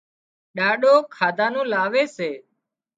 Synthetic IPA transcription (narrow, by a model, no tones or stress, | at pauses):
ɗaːɗoːkʰaːd̪ʱãːnũːlaːʋeːseː